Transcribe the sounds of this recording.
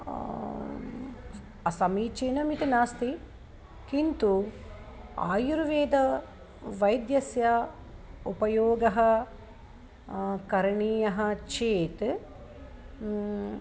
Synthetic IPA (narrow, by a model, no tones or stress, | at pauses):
ɐsɐmiːt͡ʃeːnɐmit̪inaːst̪i | kint̪u | a̰ːjuɾʋeːd̪ɐ | ʋɐjd̪jɐsjɐ | upɐjoːɡɐɦɐ | kɐɾɳiːjɐɦɐt͡ʃeːt̪